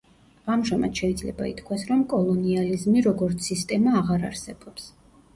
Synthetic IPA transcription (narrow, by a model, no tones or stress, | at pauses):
amʒama̰d̪̥ʃɛid̪zlɛ̰baḭt̪kʰwasɾɔmkʼɔlˠɔnializmiɾɔɡɔɾt̪sʰist̪ʼɛmaːʁaɾa̰ɾsɛbɔps